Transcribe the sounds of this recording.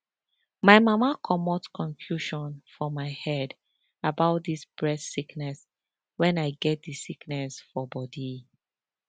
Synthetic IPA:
maɪmamakʰɔmɔtkʰɔ̃ɱfjuʃɔ̃nfɔmaɪhɛd | abaʊt̚disb̥ɹɛtsiknɛs | wɛ̃naɪɡɛt̚disiknɛsfɔbɔdi

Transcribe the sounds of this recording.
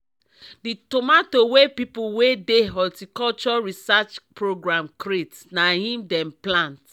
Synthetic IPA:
ditomatowepipulwedeɦɔltikɔlt͡ʃɔɹisat͡ʃpɹoɡɹãmkɾet | nahĩmdɛ̃mplãnt

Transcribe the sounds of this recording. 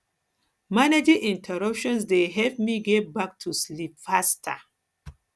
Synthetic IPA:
maned͡ʒĩʔĩntʰəɹʌpʃɔ̃ns̬deɦɛlpmiɡebak̚tʰuslipfastʰa̰

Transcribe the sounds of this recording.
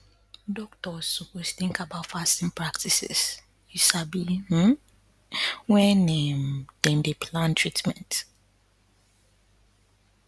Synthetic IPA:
dɔk̚tɔsɔposθĩŋkabaʊtfastĩnpʰɹaktʰisɛ̰s | jusabim̩ | wɛnɛ̃md̥ɛ̃ndepʰlãntʰɹitmɛ̃nt

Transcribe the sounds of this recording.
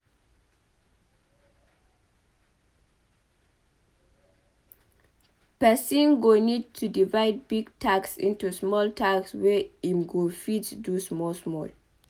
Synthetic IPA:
pɛsĩnɡonid̚tʰudivaɪd̚biɡtʰaksḭ̃ntusmɔltʰakswɛĩmɡofidsdusmɔlsmɔl

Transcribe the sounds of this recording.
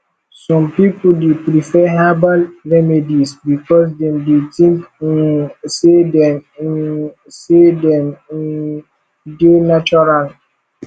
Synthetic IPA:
sɔ̃mpipuldepɾifɛɦabalɹɛmedisbikɔs̬dɛ̃mdetĩŋk | sedɛ̃m | sedɛ̃m | denat͡ʃɔɹal

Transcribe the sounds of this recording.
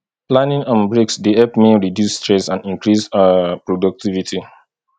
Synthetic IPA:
plãnĩŋɔ̃nbɹeksdiɛpmeɹidjusːtɹɛsãndĩŋkɹispɹɔdɔk̚tivitʰi

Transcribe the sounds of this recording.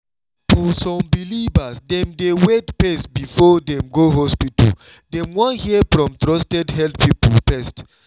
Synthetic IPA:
fɔsɔ̃mbilivasdɛ̃mdewetpɛstbifɔdɛ̃mɡoɦɔspitə̰l | dɛ̃mwɔ̃nhiəfɹɔ̃mtɹɔstɛdɦɛldpipəlpɛst

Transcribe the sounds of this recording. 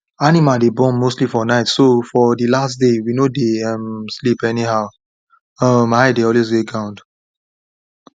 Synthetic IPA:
animadebɔ̃nmostlifɔnaɪtsofɔdilasdewinodeʌ̃mslipɛniɦaʊ | ʌmaɪdeɔlwesɡeɡãʊ̃nd

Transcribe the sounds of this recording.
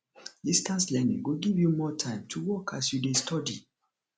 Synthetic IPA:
distãnslɛnḭ̃ŋwiɡivjumɔtʰãɪ̃mtʰuwɔkʰa̰sjudestʰɔdḭ

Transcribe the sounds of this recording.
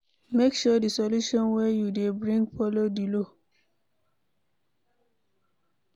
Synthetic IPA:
mekʃɔdisɔluʃɔ̃nwɛjudebɹĩŋɡfɔlodilo

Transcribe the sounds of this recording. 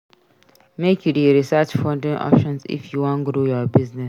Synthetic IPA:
mekʰjudiɹisɜt͡ʃfɔ̃ndĩŋʔɔ̰pʃɔ̃nsḭfjuwɔ̃nɡɾujɔbiznɛs

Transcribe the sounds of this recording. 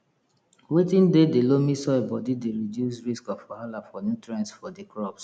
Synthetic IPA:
wetĩndedelomisɔbɔdideɹidjus̬ɹiskɔfɔhalafɔnjutɹɛ̃nsfɔdekɹɔps

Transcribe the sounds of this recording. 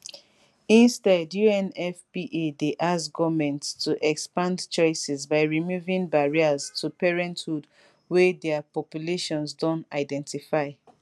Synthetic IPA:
ĩnstɛdjuɛ̃nɛfpiʔedeʔasɡɔvmɛ̃ntstʰuʔɛkspãndt͡ʃɔɪsɛzbaɪɹimuvĩŋbaɹiaztʰupɛɹɛ̃nthud | wedɛapɔpjuleʃɔ̃nzdɔ̃naɪdɛ̃ntifaɪ

